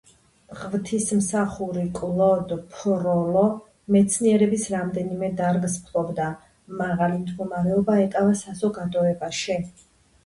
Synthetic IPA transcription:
ʁvt̪ʰismsaχuɾikʼlˠɔd̪pʰɾɔlˠɔ | mɛt̪sʰniɛɾɛbisɾamd̪ɛnimɛd̪aɾɡspʰlˠɔbd̪a | maʁalimd̪ɡɔmaɾɛɔbaɛkʼavasazɔɡad̪ɔɛbaʃi

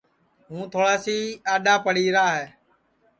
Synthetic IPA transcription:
ɦũːt̪ʰoːɽaːsiːaːɗaːpəɽ̤iːɾaːɦɛː

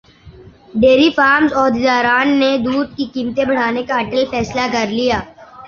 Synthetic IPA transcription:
ɖeːɾifaːɾmzɔːd̪ed̪aːɾaːnːed̪uːd̪̚kikiːmt̪ẽbɐɽ̤aːnekaɐʈəlfɛːslakɐɾlijaː

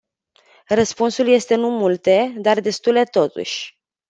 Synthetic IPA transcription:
rəspunsulje̞st̪e̞numult̪e̞d̪ard̪e̞st̪ule̞t̪o̞t̪ṵʃʲ

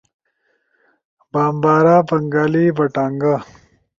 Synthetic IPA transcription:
baːmbaːɾaːpɐŋɡaːliːbɐʈaːŋɡa

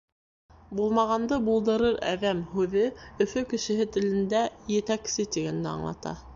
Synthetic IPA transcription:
bulˠmɑʁɑnd̪ɤbulˠd̪ɤ̆ɾɤɾæ̰ðæmhʉðɘɵ̆fɵkɘ̆ʃɘ̆ɦɘt̪ɘ̆lɘ̆nd̪æjɘ̆t̪æksɘt̪iɡænːɘɑ̰ɴlˠɑ̰t̪ɑ̰

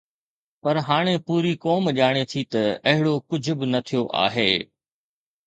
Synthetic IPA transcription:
pɐɾɦaːɽ̃epuːɾikɔːmʄaːɽ̃et̪ʰit̪ɐɐɦɪɽokʊd͡ʑʱʊ̆bɪnɐt̪ʰijoʔa̰ːɦeː

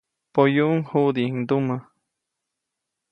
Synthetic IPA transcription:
pojuʔuŋhuʔd̪iŋd̪umə

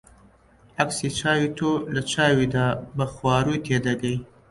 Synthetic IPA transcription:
aksit͡ʃɑwit̪ʰolat͡ʃɑwid̪abaxwɑːɾut̪ʰed̪aɡaj

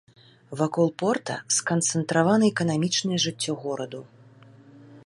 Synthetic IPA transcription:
vakɔlˠpɔrt̪ɐ̰skɐnt̪sɛnt̪ɾavanɨɛkɐnamʲit͡ʂnɨjʐɨt͡sʲːɔɣɔɾɐd̪u

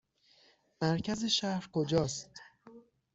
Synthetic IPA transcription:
mæɾcʰæzeʃæhɾkʰod͡ʒɒːst̪

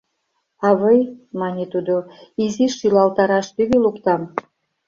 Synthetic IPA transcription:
ɑβɤjmɑnʲet̪ud̪oiziʃylɑlt̪ɑɾɑʃt̪yβʲilukt̪ɑm

